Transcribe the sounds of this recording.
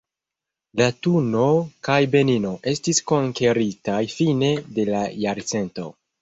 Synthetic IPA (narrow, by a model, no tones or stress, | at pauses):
latuno̞kajbe̞nino̞ʔe̞stisko̞ŋke̞ɾitajfine̞de̞lajaɾt͡se̞nto̞̰